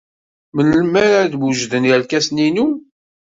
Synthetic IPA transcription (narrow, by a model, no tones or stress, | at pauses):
mənlmæɾaðbuʒðənjælkæsninu